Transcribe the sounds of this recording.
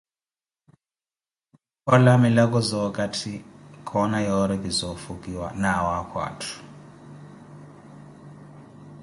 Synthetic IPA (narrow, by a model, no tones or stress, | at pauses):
ɔlamilak̬ʼɔzɔkʼatʰikʰɔnajɔɾɛkizɔfukʼiwa̰nawakʰwa̰ːtʰu̥